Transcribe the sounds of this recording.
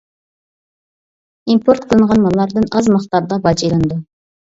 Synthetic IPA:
impʰoɾt̪̚qʰəlˠɨɴʁɑnmɑlˠːɑɾd̪ɨnɑzmɑχt̪ɑɾd̪ɑbɑd͡ʒijlˠɨnd̪u

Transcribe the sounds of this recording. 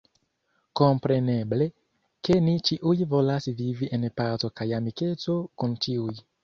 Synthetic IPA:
ko̞mpɾe̞ne̞ble̞ | ke̞nit͡ʃiʔujvo̞lasviviʔe̞npazo̞kajamike̞t͡so̞kunt͡ʃiuj

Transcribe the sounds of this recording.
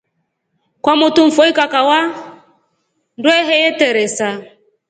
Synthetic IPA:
kwamʊtuɱ̩fɔikakawa | ndwɛɦɛjɛtɛɾɛsa

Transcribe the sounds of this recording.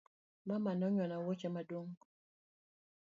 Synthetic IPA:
mamanɔɲɔnawot͡ʃɛmadoŋ

